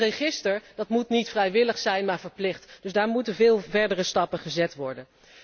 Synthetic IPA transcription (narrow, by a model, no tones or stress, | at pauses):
rəχɪstəɹdɑtmutnitfrɛjʋɪləχsɛjnmaːɹvəɹplɪχtd̥ɵzdaːɹmutənvɪːlˠvɛɹdərəstɑpəχəzɛtʋɔɹdən